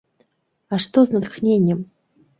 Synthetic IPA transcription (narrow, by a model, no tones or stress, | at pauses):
aʂt̪oznɐt̪xnʲenʲjəm